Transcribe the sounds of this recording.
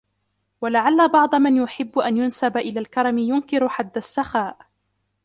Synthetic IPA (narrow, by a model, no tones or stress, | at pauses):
walaʕalːabɑʕd̪ˤɑmanjʊħɪbːʊʔanjʊnsabaʔɪlaːlkɑɾˤɑmɪjʊnkɪɾħad̪ːasːaxaːʔ